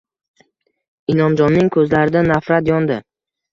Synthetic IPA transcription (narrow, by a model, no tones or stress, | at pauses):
ɪnɒmd͡ʒɒnːɪŋkʰɵzlaɾɪd̪anafɾat̪jɒnd̪ɪ